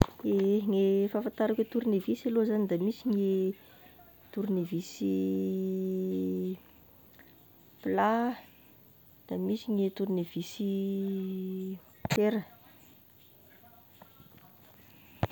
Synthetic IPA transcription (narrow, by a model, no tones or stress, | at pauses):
eŋefafant̪aɾakʲet̪uɾunevisalozanid̪amisiŋe | t̪uɾunevisi | pla | d̪̥amisiŋet̪uɾunev̥isi | t̪eɾə